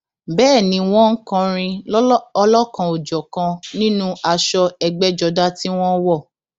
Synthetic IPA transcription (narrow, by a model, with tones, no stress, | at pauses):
bɛː˦˨nĩ˧˦w̃ɔ̃˦ŋ̩˦kã˧ɾ̃ĩ˧ɔ˧lɔ˦kã˨˧o˨d͡ʒɔ˨kã˧nĩ˦nũ˦a˧ʃɔ˧ɛ˧ɡ͡bɛ˦d͡ʒɔ˧da˦ti˦w̃ɔ̃˦wɔ˦˨